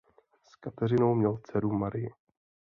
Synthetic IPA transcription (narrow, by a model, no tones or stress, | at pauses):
skat̪ɛrɪno̞wmɲɛlt͡sɛɾumaɾɪjɪ